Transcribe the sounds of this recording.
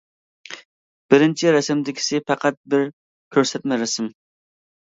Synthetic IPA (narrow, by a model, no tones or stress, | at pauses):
b̥ɪɾɪnt͡ʃʰiɾɛsɪmd̪ɪkʲʰɪ̥sɪpʰæqʰæt̪̚bɪɾ | kʲʰøɾsɛt̪̚mɪɾɛsɪm